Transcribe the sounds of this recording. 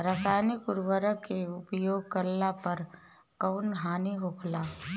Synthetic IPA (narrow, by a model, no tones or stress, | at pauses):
ɾəsaːnikʊɾʋəɾəkeʊpjoːɡ̚kəlːapɐɾ | kəːnɦaːniɦokʰlaː